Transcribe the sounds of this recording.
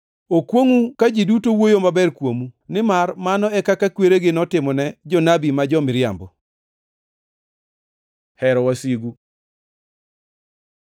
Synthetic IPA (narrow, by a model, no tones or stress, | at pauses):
okwoŋukad͡ʒidutowojomabɛrkwomunɪmarmanɔɛkakakweɾeɡɪnɔtɪmɔnɛd͡ʒɔnabimad͡ʒɔmɪɾja̰mbɔ | hɛɾɔwasiɡu